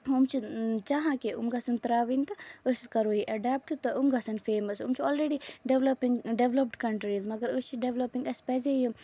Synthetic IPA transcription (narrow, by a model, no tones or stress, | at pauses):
umt͡ʃʰit͡ʃaɦãkeʔṵmɡɐsɐnt̪ɐɾaːʋint̪ɐəsikɐɾoːiʔɐɖɛp̚ʈt̪ɐumɡɐsɐnfeːmɐsumt͡ʃʰiɔːlɾeɖiɖeʋlɐpiŋɡɖeʋləp̚ɖkɐɳʈɾizmɐɡəɾəst͡ʃʰiɖeʋləpĩŋɡɐspɛzeju